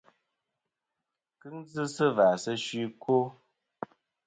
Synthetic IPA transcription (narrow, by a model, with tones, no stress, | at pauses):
kɨ˦ŋzɨ˦sə˦vaː˨sə˦ʃwi˦ko˦